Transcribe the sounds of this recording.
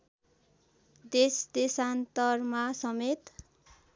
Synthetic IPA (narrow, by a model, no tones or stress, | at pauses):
d̪esd̪esant̪ʌrmasʌmet̪